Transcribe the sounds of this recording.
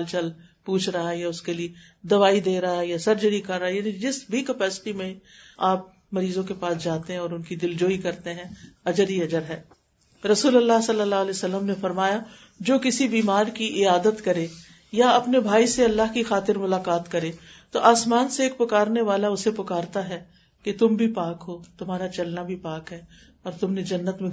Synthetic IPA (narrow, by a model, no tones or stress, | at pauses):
lt͡ʃɐl | puːt͡ʃʰɾɐɦaɦjaʊskelie | d̪ɐʋaːid̪eːɾɐɦaɦjasɐɾd͡ʒəɽikɐɾːaɦajaːnid͡ʒɪsbʱikɐpɛːsɪ̥ʈimẽaːp̚ | mɐɾiːzõkepaːsd͡ʒaːt̪eɦɛ̃ɔːɾʊnkid̪ɪld͡ʒoːikɐɾt̪eɦɛ̃ɐd͡ʒəɾiɐd͡ʒəɾɦɛː | ɾɐsuːlɐlːaɦsɐlːəlːaːɦlɛːsɐlːəmnefɐɾmaːja | d͡ʒoːkɪsibiːmaːɾkiʔɪaːd̪ət̪kɐɾe | jaɐpnebʱaːiseɐlːaɦkixaːt̪ɪɾmʊlaːkaːt̪kɐɾeːt̪oʔaːsmaːnseːk̚pʊkaːɾneʋaːlaʊsepʊkaːɾt̪aɦɛ | ket̪ʊmbʱipaːkɦoːt̪ʊmaːɾat͡ʃɐlnabʱipaːkɦɛː | ɔːɾt̪ʊmned͡ʒɐnːət̪mẽ